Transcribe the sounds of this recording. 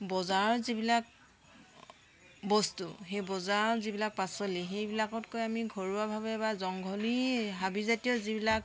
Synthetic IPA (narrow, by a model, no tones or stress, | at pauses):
bɔzaɹzibilak̚ | bɔstuxejbɔzaɹzibilak̚pasɔlixejbilakɔtkojamiɡʱɔɹuabʱabɛbazɔŋɡʱɔliɦabizatijɔzibilak